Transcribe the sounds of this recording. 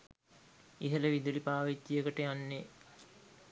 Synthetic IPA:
iɦələʋid̪ulipaːʋit̪ːiəkəʈəjanːe

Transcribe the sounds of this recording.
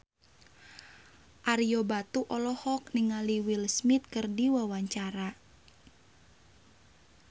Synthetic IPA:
ʔaɾiɔbat̪uʔɔlɔhɔk̚niŋaliwilsmit̪̚kɨrdiwawaɲt͡ʃaɾa

